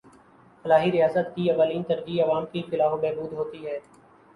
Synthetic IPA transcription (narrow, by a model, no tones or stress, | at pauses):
fɐlaːɦiɾɪjaːsət̪kiɐʋaːliːnt̪ɐɾɡiɐʋaːmkifɪlaːɦobɛːbuːd̪ɦoːt̪iɦɛː